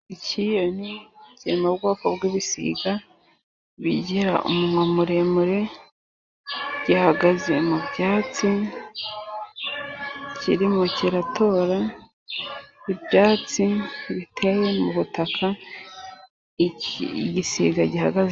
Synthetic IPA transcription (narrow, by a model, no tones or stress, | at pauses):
icʰijo̞nicemabɡoːkobɡiβisḭɡa | βiɟiɾa̰ʔṵmumŋwamuɾe̞muɾe̞ | ɟihaɡaze̞mubjaːt͡si | cḭɾimociɾatʰo̞ːɾa | βibjaːt͡siβitʰeje̞muβutakʰa | ɟisḭɡaɟihaɡaze